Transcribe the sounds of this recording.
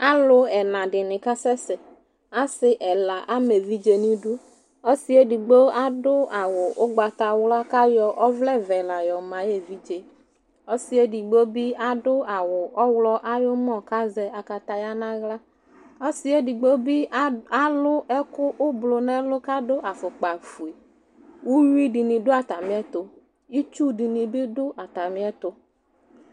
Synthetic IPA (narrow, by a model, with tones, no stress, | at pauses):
a˦lʊ˨ɛ˨nã˨ɖɪ˨nɪ̃˨ka˦sɛ˦sɛ˨ | a˦sɪ˨ʔɛ˨la˨ʔa˦me˨vi˦d͡ʒe˨nĩ˦du˦ | o˦si˦e˦di˨ɡ͡bo˦a˦dʊ˦a˨wʊ˨ʔʊ˦ɡ͡ba˨t̪a˨wlɔ˦a˦ka˦jɔ˨ʔɔ˦vlɛ˦vɛ˨lã˨jɔ˨mã˨˦je˨vi˦d͡ʒe˨ | o˦si˦e˦di˨ɡ͡bo˦bi˦a˦dʊ˦a˨wʊ˨ʔɔ˦wlɔ˦ʔa˦jʊ˦m˦ɔ̃˦˨ka˦zɛ˨a˨ka˨t̪a˨ja˦nã˦ɣla˦ | ɔ˦si˦e˦di˨ɡ͡bo˦bi˦a˦lʊ˦ɛ˦kʊ˦ʔʊ˦blʊ˨nɛ̃˦lʊ˦ka˦dʊ˦ʔa˨fʊ˨k͡pa˨fu˨i˨ | wu˦ɾi˦di˨nĩ˨dʊ˦a˨t̪a˨mĩ˦ɛ˦t̪ʊ˨ | i˦t͡ʃu˦di˨nĩ˨bɪ˦dʊ˦ʔa˨t̪a˨mi˦ɛ˦t̪ʊ˨